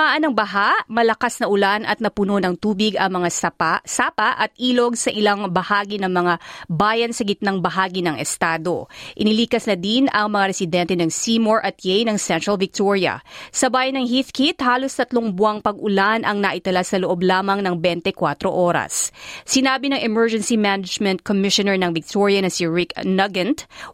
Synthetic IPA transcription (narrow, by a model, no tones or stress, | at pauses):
aːʔɐnɐŋbɐɦaʔmɐlɐkasnɐʔʊlanʔɐt̪̚nɐpʊno̞nɐŋt̪uːbɪɡɐŋmɐŋasapsaːpɐʔɐt̪̚ʔiːlo̞ɡsɐʔɪlaŋbɐhaːɡinɐŋmɐŋabaːjɐnsɐɡɪt̪̚nɐŋbɐɦaːɡinɐŋɛst̪aːd̪o̞̰ʔɪnɪliːkɐsnɐd̪inɐŋmɐŋaɾɛsɪd̪ɛnt̪ɛnɐŋsimoɹʔɐt̪̚jɛjnɐŋsɛnt̪ɹɐlvɪk̚t̪oɹiɐ̰sɐbaːjɐnːɐŋɦiθkʰit̪haːlo̞st̪ɐt̪loŋbʊaŋpɐɡʔʊlanʔɐŋnɐʔɪt̪ɐlasɐloʔo̞blaːmɐŋnɐŋbɛnt̪ɛkwat̪ɾo̞ʔoːɾɐ̰sːɪnaːbinɐŋɛmɛɹd͡ʒɛnsimanɐd͡ʒmɛnt̪̚komɪʃonɛɹnɐŋvɪk̚t̪ʰoɹiɐnɐsiɹɪknɐɡɛnt̪